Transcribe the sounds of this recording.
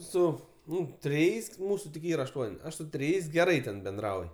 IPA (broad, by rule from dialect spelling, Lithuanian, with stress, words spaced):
ˈsʊ ˈnʊ tʲrʲɪˈjɛɪs ˈmuːsʊ tʲɪk ˈiːrɐ ɐʃˈtuɔnʲ ˈɐʃ sʊ tʲrʲɪˈjɛɪs ɡʲɛˈrɐɪ tʲɛn bʲɛnˈdrɐʊj